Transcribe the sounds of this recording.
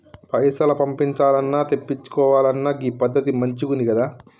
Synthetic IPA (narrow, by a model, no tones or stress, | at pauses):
pɐjsɐlɐpɐmpiɲt͡ʃaːlɐnːaːt̪epːit͡ʃːu̥kɔːʋaːlɐnːaːɡipɐd̪ːɐt̪imɐɲt͡ʃikund̪ikɐd̪aː